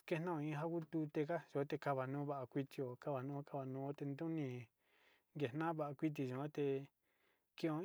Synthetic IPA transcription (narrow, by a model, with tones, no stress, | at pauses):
ke˦nã˦õ˧ĩ˧ɦa˦ku˦t̪u˧t̪e˧ka˦ʒo˨˦t̪e˧ka˧βa˨nũː˦βa˦ʔa˧kʷi˧t̪i˧o˨ka˦βa˨nũː˦o˦ka˦˧βa˨nũ˧˦o˦t̪e˧nd̪ũ˦nĩ˧ | ŋɡe˨nã˦βa˦˨ʔa˧kʷi˦t̪̬i˧˨ʒũ˨˧o˦t̪e˧ | kĩ˦õ˧